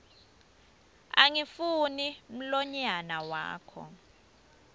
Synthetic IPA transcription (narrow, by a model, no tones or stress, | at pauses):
a̰ŋifunim̩lɔɲanawa̰ːkʰɔ̰